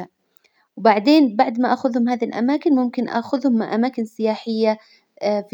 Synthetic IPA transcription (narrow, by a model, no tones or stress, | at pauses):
wbaʕd̪eːnbaʕd̪maʔaxʊðhʊmhaːðilʔa̰maːkɪnmʊmkɪnʔa̰xʊðhʊmːaʕʔamaːkɪnsɪjaːħɪjːa | f